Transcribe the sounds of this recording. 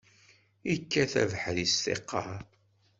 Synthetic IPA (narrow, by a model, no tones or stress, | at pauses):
ikːæθæ̰vəħðistḛqʰːɑ